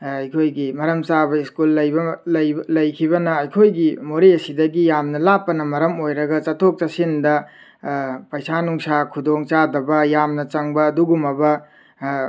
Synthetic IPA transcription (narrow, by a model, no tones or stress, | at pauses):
ɐjkʰojɡimɐɾɐmt͡ʃabɐiskulːɐjbɐlɐjlɐjkʰibɐnɐɐjkʰojɡimoɾiɐsidɐɡijamnɐlapːɐnɐmɐɾɐmojɾɐɡɐt͡ʃɐtʰok̚t͡ʃɐsindɐ | pɐjsanuŋsakʰudoŋt͡ʃadɐbɐjamnɐt͡ʃɐŋbɐːduɡumɐbɐ